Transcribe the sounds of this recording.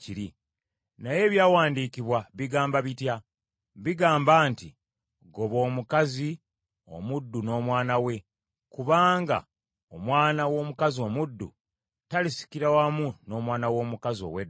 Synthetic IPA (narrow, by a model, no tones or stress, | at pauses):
ciɾi | naje̞ːβjaːwaːndiːkiβwaβiɡaːmbaβitja | βiɡaːmbaːnti | ɡo̞βo̞ːmukazi | o̞̰mudːuno̞ːmwaːnawe̞ | kuβaːŋɡa̰ | omwaːnawo̞ːmukazio̞mudːṵ | talisi̥kiɾawamuno̞ːmwaːnawo̞ːmukazio̞̰wed